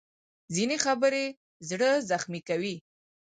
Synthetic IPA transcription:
zinexabəɾe | zɽəzaxmikawi

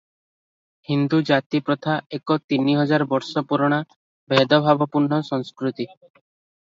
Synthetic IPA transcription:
hind̪ud͡ʒat̪ipɾɔt̪ʰaekɔt̪iniɦɔd͡ʒaɾɔbɔɾsɔpuɾɔɽ̃a | bʱed̪ɔbʱabɔpuɾɳːɔsɔŋskɾut̪i

